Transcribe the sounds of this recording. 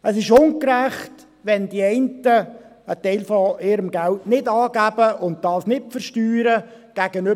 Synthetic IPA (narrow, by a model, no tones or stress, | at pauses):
əsɪʃʊŋkɾæχt | ʋɛndiɛɪntə | ətɛɪlfɔɪɾəmɡæltnɪdɑːɡæbəʔʊnt̚dɑːsnɪt̚fəɾʃtyːɾəɡ̥æɡ̥ənø